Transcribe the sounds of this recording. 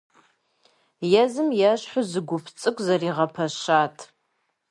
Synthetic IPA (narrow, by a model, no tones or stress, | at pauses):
jɛzɨmjaɕħʷʊzɨɡʷʊpʰt͡sʼɨkʷʼzɐriːʁɐpʰɐʃaːtʰʼ